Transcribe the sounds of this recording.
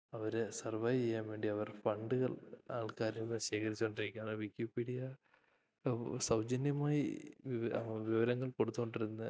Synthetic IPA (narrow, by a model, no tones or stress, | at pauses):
ɐʋɐɾesɐrʋɐjt͡ɕejːaːnʋe̞ːɳɖiɐʋɐrfɐɳɖɨɣɐɭaːɭkaːɾinːɨɕeːkɐɾit͡ɕːuoɳɖiɾikʲːaːɳɨʋikʲːjupiːɽijɐ | sɐwd͡ʑɐnjɐmaːjḭʋiʋiʋɐɾɐŋːɐɭko̞ɽut̪ːuoɳɖiɾunːɨ